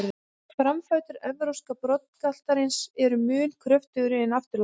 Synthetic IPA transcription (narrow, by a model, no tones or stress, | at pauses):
fɾamfaɥt̪ʏɾɛvɾowskapɾɔt̪̚n̥kal̥t̪aɾɪnsɛɾʏmʏːnkʰɾœft̪ʏɣɾɪːnaft̪ɪɾl